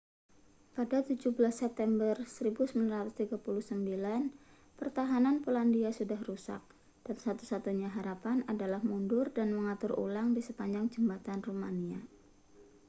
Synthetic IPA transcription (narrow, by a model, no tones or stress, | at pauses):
padat̪ud͡ʒubəlasːɛp̚t̪ɛmbərsəɾibusəmanɾat̪ust̪iɡapuluhsəmbilan | pərt̪aɦananpolandiasudahrusa̰k̚ | d̥ansat̪usat̪uɲaɦaɾapanadalahmundʊrdanməŋat̪ʊɾṵlaŋdisəpaɲd͡ʒaŋd͡ʒəmbat̪anrumania